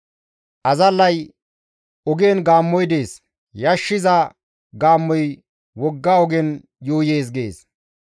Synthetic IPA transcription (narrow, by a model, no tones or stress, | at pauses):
ʔɐzɐlːɐj | ɔɡeːnɡaːmːɔjd̪e̞ːs | jɐʃːɪzɐ | ɡaːmːɔj | wɔɡːaːɔɡɛn | joːjeːs̬ɡeːs